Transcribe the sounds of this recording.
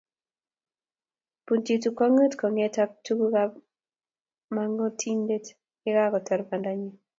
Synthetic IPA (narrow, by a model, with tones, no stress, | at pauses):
pu˨nti˨tu˨kɔ˦ŋə˦tkɔ˨ŋɛ˦ta˦k̚tu˦ɡu˦ka | maŋɔ˦tʰi˦nde˦t | ɪ˦ɡa˦kɔ˨tɛ˨ɾba˨nda˨ɲi˦